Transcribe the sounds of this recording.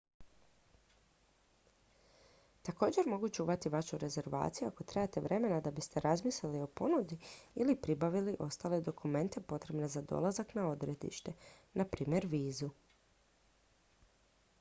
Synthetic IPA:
t̪ako̞ːd͡ʑe̞ɾmo̞ɡut͡ʃuːʋat̪iʋaʃuɾe̞ze̞ɾʋa̰ːt̪sijua̰ko̞t̪ɾejat̪e̞ʋɾe̞me̞nad̪abist̪e̞ɾazmiːslelio̞po̞nud̪iilipɾibaʋiliʔo̞st̪aːled̪o̞kume̞nt̪e̞po̞t̪ɾe̞bne̞zad̪o̰lˠazaknao̞d̪ɾe̞t̪ḭʃt̪e̞napɾiːmʲje̞ɾʋiːzu

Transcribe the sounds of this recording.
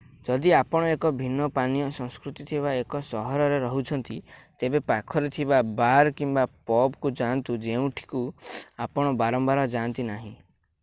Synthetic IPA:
d͡ʒɔd̪iapɔɽ̃ɔekɔbʱinːɔpanijɔsɔ̃ŋ̃skɾut̪it̪ʰibaekɔsɔɦɔɾɔɾeɾɔɦut͡ʃʰɔnt̪it̪ebepakʰɔɾet̪ʰibabaɾkimbapɔbkud͡ʒant̪ud͡ʒeũʈʰi̥kuapɔɽ̃ɔbaɾɔmbaɾɔd͡ʒant̪inaɦĩ

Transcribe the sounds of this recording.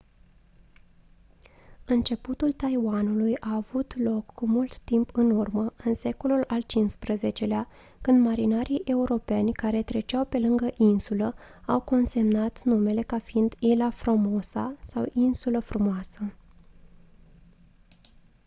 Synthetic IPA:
ɨnt͡ʃe̞put̪ult̪ajwanulujaːvut̪lo̞kːumult̪ːimpʰɨnurməɨnse̞ko̞lulalt͡ʃinspɾəze̞t͡ʃe̞lea | kɨnd̪maɾinaɾʔijʔe̞uɾo̞pe̞nʲkaɾe̞t̪ɾe̞t͡ʃawpe̞lɨŋɡəʔinsuləawko̞nse̞mnat̪nume̞le̞kafiind̪ilafɾomosa̰sawʔinsuləfɾumoasə

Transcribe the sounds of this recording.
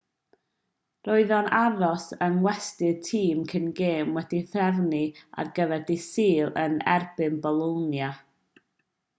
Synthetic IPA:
roɨðɔnaɾɔsənwɛstɨtʰiːmkʰənɡeːmwɛdiθrɛvnia̰rɡəvɛrdisiːlˠənɛ̰rbɨnbɔlˠonja

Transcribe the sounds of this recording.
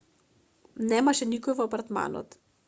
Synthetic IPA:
nɛmaʃɛnikɔjvɔapaɾt̪ma̰nɔ̰t̪

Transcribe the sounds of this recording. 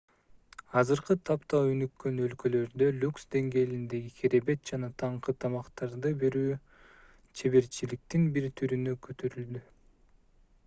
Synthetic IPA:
ɑzɯɾqɯt̪ʰɑpt̪ɑønykːø̞nø̞lkø̞lø̞ɾd̪ø̞lʲuksd̪e̞ŋɡe̞ːlind̪e̞ɡikʰeɾe̞be̞t̪̚d͡ʒɑnɑt̪ʰɑɴqɯt̪ʰɑmɑqt̪ɑɾd̪ɯbe̞ɾyː | t͡ʃʰe̞βe̞ɾt͡ʃilik̚t̪inbiɾt̪ʰyɾynøkʰøt̪ʰøɾyld̪y

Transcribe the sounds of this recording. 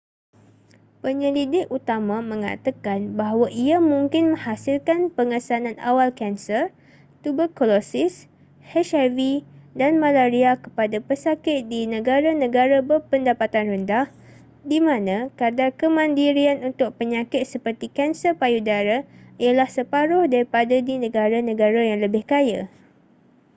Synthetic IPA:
pəɲəɾidɪk̚ut̪amãmə̃ŋa̰t̪akanbaɦwaʔiamũŋkɪnmə̃hasɪlkanpəŋəsanãna̰walkɛnsər | t̪ubəkolosɪs | hɛʃavidanmãlaɾiakə̥padapəsakɪt̪̚dinə̃ɡaɾanə̃ɡaɾabərpəndapat̪anrəndah | dimãnãkardakəmãndiɾianunt̪ʊk̚pəɲakɪt̪̚səpərt̪ikɛnsəpajudaɾaijalahsəpaɾʊhdaɾipadadinə̃ɡaɾanə̃ɡaɾajaŋləbɪhkaja̰

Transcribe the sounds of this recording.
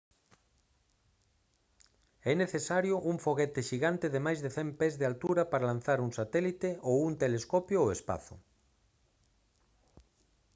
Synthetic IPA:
ɛneθesaɾjʊʔuŋfoɣɛt̪ɪʃiɣant̪eðemajzðeθɛmpɛzðealt̪uɾapaɾalan̟θaɾuŋsat̪ɛlit̪eowuŋt̪eleskɔpjooespa̰θʊ̰

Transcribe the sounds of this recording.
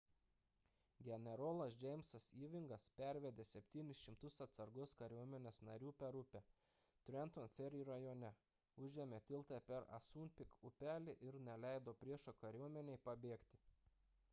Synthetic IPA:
ɡʲɛnʲɛɾoːlˠɐsd͡ʒʲɛɪmsɐsiːʋʲɪŋɡɐspʲæɾʲʋʲɛd̪ʲeːsʲɛpʲt̪ʲiːnʲɪsʃʲɪmt̪ʊsɐt̪sɐɾɡʊskɐɾʲuɔmʲɛnʲeːsnɐɾʲuːpʲɛɾʊpʲɛ | t̪ʲɾʲɛnt̪onfʲɛɾʲiːɾɐjoːnʲɛ | ʊʒʲɛmʲeːt̪ʲɪlˠt̪ɑpʲɛɾɐ̰suːnʲpʲɪkʊpʲæːlʲɪʔɪɾnʲɛlʲæɪd̪oːpʲɾʲiɛʃokɐɾʲuɔmʲɛnʲɛɪpɐbʲeːkt̪ʲɪ̥

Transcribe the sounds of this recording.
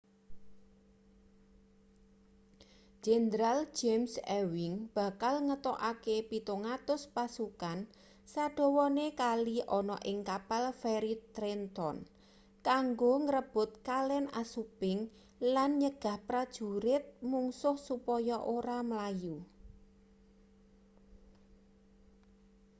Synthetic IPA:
ʒ̥enɾal̥d͡ʒ̥emsɛwɪŋb̥a̤kalŋət̪ɔʔakepit̪oŋat̪ʊspasukan | saɖ̪̥ɔ̤wɔnekaliʔɔnɔʔɪŋkapalfɛɾit̪ɾent̪ɔ̰n | kaŋɡoŋəɾəb̥ʊ̤t̪̚kalɛna̰supɪŋ | lanɲəɡ̥a̤hpɾad̥ʒ̥ṳɾɪt̪̚muŋsʊhsupɔjɔʔoɾaməlaju

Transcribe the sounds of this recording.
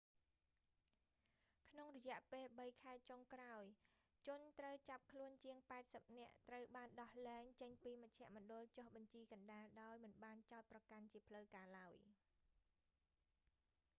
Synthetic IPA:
kʰnoŋrɔjɛ̆əʔpeːlɓəjkʰaɛt͡ɕoŋkraɔj | t͡ɕʊənt̪rəwt͡ɕap̚kʰluənt͡ɕiəŋpaɛt̪̚səp̚nɛ̆əʔt̪rəwɓaːnɗɑhlɛːŋt͡ɕəɲpiːməc̚t͡ɕʰɛ̆əʔmŏənɗʊ̆əlt͡ɕohɓɑɲt͡ɕiːkɑnɗaːlɗaɔjmɨnɓaːnt͡ɕaɔt̪̚prɑkant͡ɕiəpʰləwkaːlaəj

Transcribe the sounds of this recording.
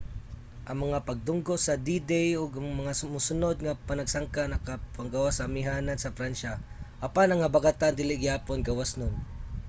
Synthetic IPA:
ʔɐŋmɐŋapɐɡ̚d̪ʊŋɡoʔsɐd̪id̪ɛjʊɡaŋmɐŋasʊmusʊnod̪̚ŋapanɐɡsaŋkanɐkapaŋɡawasamɪɦaːnansɐfɾanʃaʔɐpanɐŋɐbaɡat̪and̪ɪlɪʔɡɪhaːponɡawasnʊŋ

